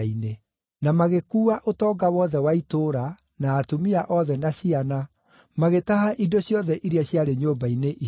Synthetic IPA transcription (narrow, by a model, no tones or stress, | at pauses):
ine | namaɣekuːaʔotɔːɡawɔðɛwaitoːɾa | naːtomiaʔɔðɛnasiana | maɣetaɦaʔidoɕjɔðɛʔiɾiaɕjaɾeɲoːbaineʔi